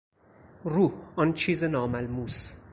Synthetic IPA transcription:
ɾuːhɒnt͡ʃʰiːzenɒːmælmuːs

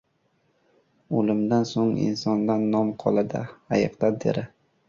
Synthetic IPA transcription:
olɪmd̪ansoŋɪ̰nsɒnd̪anːɒmqʰɒlˠad̪a̰ajɨqd̪ad̪ḛɾɪ

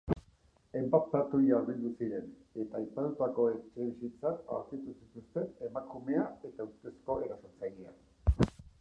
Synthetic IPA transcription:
e̞mbak̪t̪at̪uiaɾβild̪usiɾe̞ne̞t̪aːjpat̪ut̪ako̞ekt͡ʃeeβisint͡sat̪a̰wɾt̪it̪usit̪ust̪e̞ne̞makume̞ae̞t̪auɾt̪e̞sko̞e̞ɾasoɾt͡sajia

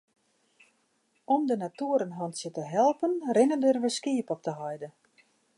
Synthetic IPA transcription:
ɔmdənatuəɾənɦɔntsjətəɦɛlˠpənrɪnəndərʋəskiəpɔp̚təɦɔjdə

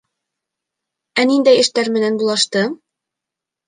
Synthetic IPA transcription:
ænind̪æjɘ̆ʃt̪æɾmɘ̆nænbulˠɑʃt̪ɤ

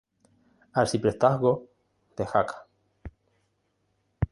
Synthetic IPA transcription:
alsipɾest̪aɦɣo | t̪exakḁ

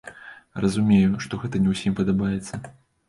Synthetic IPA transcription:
rɐzumʲejuʂt̪ɔɣɛt̪ɐnʲɛwsʲimpɐd̪abajɛt̪sːɐ

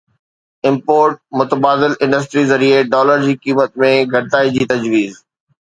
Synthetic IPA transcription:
ɪ̃mpoːɾʈ̚mʊt̪əbaːd̪ɪlɪ̃ɳɖəs̬ʈɾizɐɾieɖɔːləɾd͡ʑiːkiːmət̪mẽɡʱɐɽt̪aːid͡ʑiːt̪ɐd͡ʑʋiːz

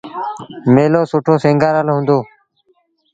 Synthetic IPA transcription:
meːloːsʊʈʰoːsẽːŋɡaːɾaːlɦʊ̃ːnd̪oː

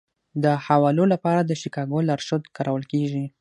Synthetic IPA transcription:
d̪əhawɑlolapɑɾad̪əʃikɑɡolaɾʃad̪kaɾʔawəlkeʒi

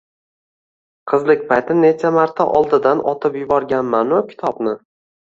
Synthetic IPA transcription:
qʰɨzlˠɪkʲpʰajt̪ʰɪne̞t͡ʃʰamaɾt̪ʰaʔɒlˠd̪ɪd̪anʔɒt̪ʰɪpjʊbɒɾɡʲanmanʊkʲʰɪ̥t̪ʰɒbnɪ

